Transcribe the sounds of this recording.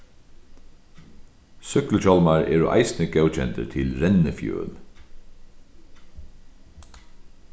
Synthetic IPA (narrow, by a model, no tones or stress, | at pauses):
sʏklt͡ʃɔlmaɹḛːɹɔʔa̰ɪsnəɡɛwt͡ʃʰɛnt̪ə̰t̪ʰɪlɾɛnəfjø̰ːn